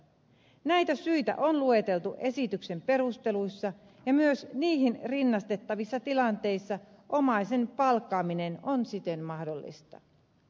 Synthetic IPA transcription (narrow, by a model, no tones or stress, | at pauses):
næjt̪æsyjt̪æ̰ʔo̞nlue̞t̪e̞lt̪uʔe̞sit̪ykse̞mpe̞ɾust̪e̞luisːɑ | jɑmyøsniːɦinrinːɑst̪e̞t̪ːɑʋisːɑt̪ilɑnt̪e̞jsːɑ | ʔo̞mɑjse̞npɑlkːɑːmine̞nonsit̪e̞nmɑhdolːḭst̪ɑ̰